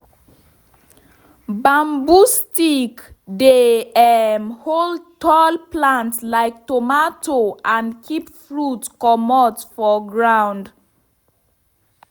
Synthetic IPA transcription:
bãmbustikdeɛmhold̚tɔlplãntslaɪk̚tomatʰoʔãnkʰipfɹutkɔmɔtfɔɡɹãw̃nd

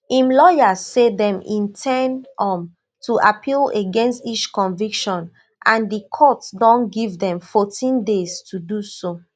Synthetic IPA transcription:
ĩmlɔjazsedɛ̃mḭ̃ntʰɛnɔ̃m | tʰuʔapʰileɡɛ̃nstit͡ʃkɔ̃nvikʃɔ̃n | ʔãndikʰɔtdɔ̃nɡivdɛ̃mfɔtʰĩndez̥tʰuduso

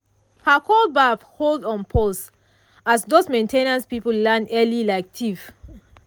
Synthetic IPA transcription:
hakʰɔlbafholdɔ̃npʰɔs | asdosmẽntʰenãnspipəllɛnɛlilaɪk̚tʰif

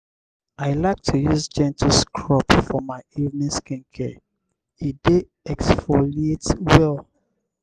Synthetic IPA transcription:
aɪlaɪk̚tʰujuzd͡ʒɛ̃ntʰl̩skʰɹɔpfɔmaɪivnĩskĩnkʰɛ | ide | ɛksfɔlietwɛlˠ

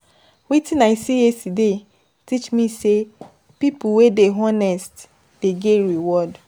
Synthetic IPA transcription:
witĩnaisieside | tit͡ʃmise | pipuwedeɦɔnɛst | d̥eɡeɾiwɔd

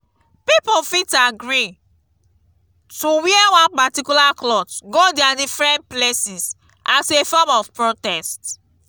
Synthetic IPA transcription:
pipofitaɡɹi | tuwiɛwɔ̃npatikulaklɔtɡodadifɹɛ̃nt̚plesis | asefɔmɔvpɹotɛst

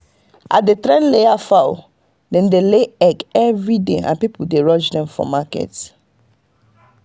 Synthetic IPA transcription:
a̰tdetɹɛ̃nleafaʊ | dɛ̃ndeleɛɡɛvɹideã̰npipudeɹɔ̃d͡ʒdɛ̃mfɔ̰makɛ̰t

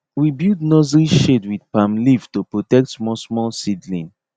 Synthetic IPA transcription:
wibjudnɔzɹiʃedwidpãmliftupɹotɛk̚tmɔsmɔlsidlḭ̃n

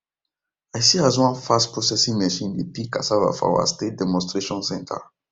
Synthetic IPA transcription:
ajsiazwãnfastpɾosɛsĩŋmɛʃĩndepika̰sava̰fa̰wa̰stet̚dɛmɔ̃stɾeʃɔ̃nsɛ̃ntʰa̰

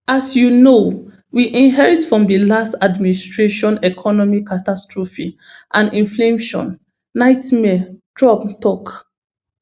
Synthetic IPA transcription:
asjuno | wiʔĩnɦɛɹitfɹɔ̃mdəlastadministɹeʃɔ̃nɛkʰɔnɔmikatastɹɔfi | ʔãnĩnflemʃɔ̰̃nː | aɪtmɛdɹɔbtɔk

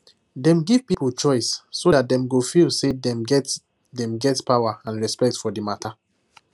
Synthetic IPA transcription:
dɛ̃mɡiv̥pipl̩t͡ʃɔɪsːodat̚dɛ̃mɡofilˠsedɛmɛ | dɛ̃mɡɛtpawaãnɹɛspɛk̚tfɔdimatʰa

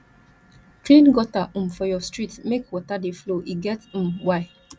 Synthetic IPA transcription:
kɾĩnɡɔtaʔ̩m̩fɔjɔstɹitmekwɔtadefloʔiɡɛt̩m̩waɪ

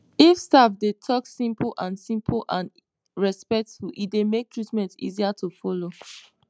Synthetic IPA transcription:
ifstafdetʰɔksĩmpʰlʔãnsĩmpʰlʔãn | ɹɛspɛk̚tfulʔidemek̚tʰɹitmɛ̃ntḭziatʰufɔlo

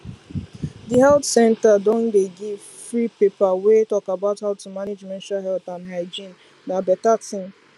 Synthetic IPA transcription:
diɦɛltsɛ̃ntadõndeɡiv | fɾipepawetɔkabaʊthaʊtumaned͡ʒmɛ̃ntaɦɛltãnɦaɪd͡ʒĩn | nabɛtatʰɪ̃ŋ

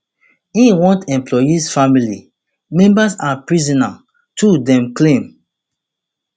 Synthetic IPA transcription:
ĩwɔ̃ntɛ̃mplɔjisfamili | mɛ̃mbasapɹizɔna | tudɛ̃mklẽm

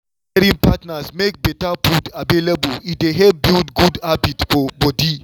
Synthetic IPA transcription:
ɾĩŋpatnasmek̚bɛtaputavelebulit̚deɦɛvbildɡudabitsfɔbɔdi

